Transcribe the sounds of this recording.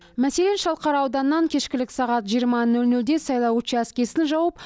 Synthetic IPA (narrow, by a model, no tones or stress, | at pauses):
mæse̞le̞nʃɑlˠqɑɾɑwd̪ɑnəːɑŋkʲʰe̞ʃkʲɪlɪksɑʁɑt̪ʒijəɾmɑnɵlnɵld̪e̞sɑjlˠɑwut͡ʃəæskʲe̞sɪnʒɑwəp̚